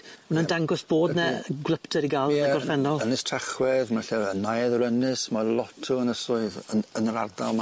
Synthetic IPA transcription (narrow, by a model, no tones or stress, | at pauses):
mənandaŋɡɔsb̥oːdnɛɡwlˠəptʰəɾiɡalˠɛɛɡɔrfɛnɔlˠənɪstʰraχwɛðmaɬɛənajɛðɾənɪsmalˠɔtʰʊənəsʊɨðəənra̰rda̰lˠma